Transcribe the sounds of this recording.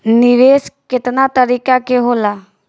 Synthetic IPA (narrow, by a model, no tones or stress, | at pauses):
nɪʋeːskɪt̪nat̪əɾiːkakeɦoːlaː